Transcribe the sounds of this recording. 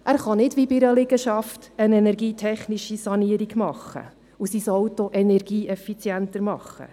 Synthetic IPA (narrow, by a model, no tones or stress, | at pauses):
ʔæːɾχɑnɪdʋibɪɾəlɪɡəʃɑftənɛnɛɾɡiːtʰɛχniʃisɑniəɾiɡmɑχːə̰ | usisɔwtoʔɛnɛrɡ̥iːʔɛfit͡sjɛntəɾmɑχːə̰